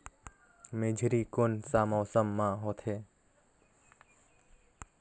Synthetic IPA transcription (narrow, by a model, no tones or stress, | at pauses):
med͡ʒʱɾikonsamɔːsəmːãɦot̪ʰeː